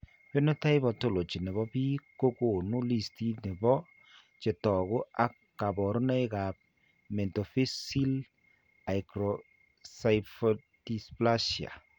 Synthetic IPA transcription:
pe˦no˦ta˦ɪ˦bɔ˨to˦˨lo˨t͡ʃi˨ne˨βɔ˦pi˦ko˦ko˨nu˦li˦˨sti˦ne˨bɔ˦ | t͡ʃe˨tɔ˨kʊ˦a˦kːa˨bɔ˨ɾɔ˦nɛ˦jka˨p̚ | me˨nto˨fi˦si˦l | a˨jkɾo˨ | sa˨jfo˨ | di˨spla˦ʃia̰˨

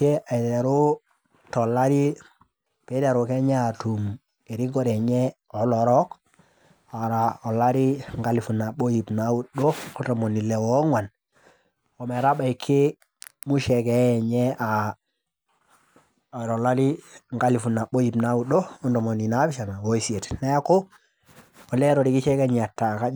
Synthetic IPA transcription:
e˦a˨i˨te˨ɾo˦ | to˨lːa˦ɾi˦ | pe˦te˨ɾo˨ke˦ɲe˦a˨tu˨m | e˨ɾi˦ɡo˦ɾɛ˨ɲe˦ | ɔ˨˦lɔ˨ɾɔ˦k | a˨ɾa˨o˨la˦ɾi˦ŋɡa˦li˨fu˨na˨ɓo˦ji˨pna˨˦u˦ɗo˦o˦dɔ˨mo˨ni˨le˨wɔ˦ŋwa˨n | ɔ˨mɛ˨ɾa˦ba˨i˨kʰːɪ˦ | mu˦ʃɛ˨kɛ˨˦ɛ˨ɲɛ˦a˨ | ɾɔ˨la˦ɾi˦ŋɡa˦li˨fu˨na˨ɓo˦ji˨pna˨˦u˨ɗo˦ɔ˦ndɔ˨mɔ˨ni˨na˦bɪ˦ʃa˨na˨wo˨˦i˨sie˨tna˦a˦ko˦ | ɔ˨lɛ˦ɾɔ˨ɾi˨ki˦t͡ʃɛ˦kɛ˦ɲ˨a˨tːa˨ka˦

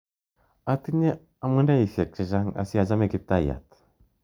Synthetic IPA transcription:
a˦t̪ɨ˦ɲe˦ | a˨mɨ˦nda˦i˨fe˨k̚t͡ʃi˨ʒa˦ŋa̰˨si˦a˨d͡ʒa˦me˦ki˦p̚t̪a˦˨ja̰˨t̪

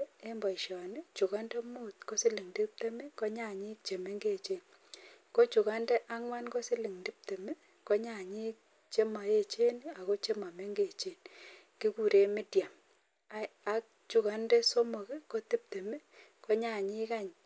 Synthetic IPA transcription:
e˦mbɔ˨i˨ʃɔ˨nɪ˦t͡ʃu˨ɣa˦nde˦mu˦tko˦sɪ˦lɪ˨ŋdi˦p̚te˦me˦ko˦ɲa˦˨ɲi˦k̚t͡ʃe˨me˦ŋɡe˦˨t͡ʃe˦n | ko˦t͡ʃu˨ɣa˦ndɛ˦ʔa˦ŋwa˦nko˦sɪ˦li˨ŋdɪ˦p̚te˨me˦ | ko˦ɲa˦˨ɲi˦k̚ | t͡ʃe˦ma˨je˦t͡ʃe˦na˨ɣo˦t͡ʃe˦ma˨me˦ŋɡe˦˨t͡ʃe˦n | ki˦ku˨ɾe˦mɪ˦dja˨m | a˨˦k̚t͡ʃu˨ka˦nde˦so˦mo˨kɛ˦ko˦tɪ˦p̚te˨me˦ | ko˦ɲa˨ɲi˦ka˦ɲ

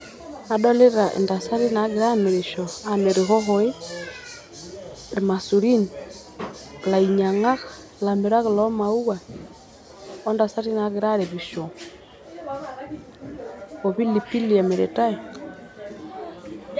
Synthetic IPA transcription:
a˦dɔ˦le˦ɾa˨ʔḛ˨nda˨sa˦ɾi˦na˨˦ɣɪ˨ɾa˦˨me˨ɾe˨ʃɔ˨a˨me˨ɾe˨ɣɔ˦ɣɔ˨i˦ | ɾe˨ma˨su˨ɾi˦ni˨ | ɣla˨i˨ɲa˨ŋa˦ɣḁ˨la˨me˨ɾa˦ɣɪ˨lɔ˦ma˨u˦wa˨ | ɔ˦nda˨sa˦ɾi˦na˨˦ɣɪ˨ɾa˦ɾe˨βi˨ʃɔ˨ | ɔ˨βi˦li˨pi˦li˨a˨me˨ɾe˨ta˦i˨

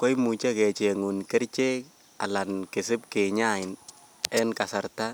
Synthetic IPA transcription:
kɔ˦jmu˨t͡ʃɛ˦kɛ˨t͡ʃeŋu˨nkɛ˦ɾt͡ʃe˦ | a̰˨la˨nkɪ˨sɪ˦p̚ke˨ɲa˦ɪn | ɛ˦nka˨sa˨ɾta˦

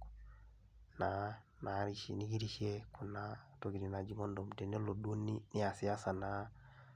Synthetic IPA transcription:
na˨ | na˨ɾiʃni˦ɡi˦ɾi˦ʃie˦ku˨na˨to˨ɡi˨ɾi˨na˨d͡ʒi˦ŋo˦ndo˨mte˨ne˦lo˨du˦o˦ni˦ni˦a˨si˨a˦sa˨na˨

